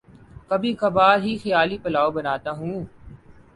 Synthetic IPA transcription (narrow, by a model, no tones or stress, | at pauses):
kəbʱĩːxəbaːɾɦiːxəjaːliːpəlaːobənaːt̪aːɦũː